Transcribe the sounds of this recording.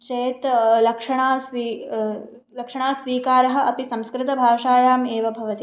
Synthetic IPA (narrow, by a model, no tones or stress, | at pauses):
t͡ʃeːt̪lɐkʂɐɳ̃aːsʋi | lɐkʂɐɳ̃aːsʋiːkaːɾɐɦɐ̆ʔɐpisɐ̃mskɾɪt̪ɐbʱaːʃaːjaːmeːʋɐbʱɐʋɐt̪i